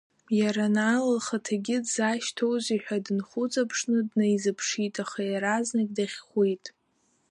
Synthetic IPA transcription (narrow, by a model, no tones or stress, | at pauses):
jaɾanalɨlχatʰaɡʲɪdzaʃtʰo̞wziħʷᶣadɨnχʊt͡sʼapʰʂnɨdnejzɨpʰʂitʼaχajaɾaznakʲʼdaχʲχʷejtʼ